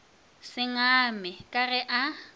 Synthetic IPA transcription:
sɪŋamɛkʼarɛʔa

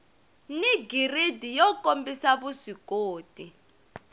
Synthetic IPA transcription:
niɡiridijɔkʼombʱisaβusikʼoːtʼi

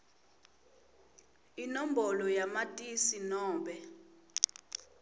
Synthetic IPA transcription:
inombɔlɔjamatʼisinɔːmbɛ

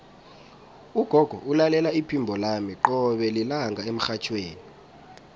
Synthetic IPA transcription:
uɡ̥ʱɔɡ̥ʱɔ̰ʔulalɛlaipʰimbʱɔlamiǃɔɓɛlilaŋɡʱaem̩xat͡ʃʰweːni

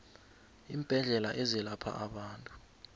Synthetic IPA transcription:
iːmb̥ʱɛɮɛlaʔɛzɛlapʰa̰ʔaɓaːntʼu̥

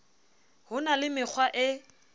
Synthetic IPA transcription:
hʊnalɪmɪk͡xʰwaʔɪ

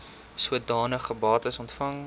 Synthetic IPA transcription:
suət̚dɑːnəχəbɑːtəsɔntfɐŋ

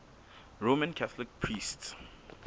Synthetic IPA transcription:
ɹomə̃nkʰaθɔlɪk̚pʰɹists

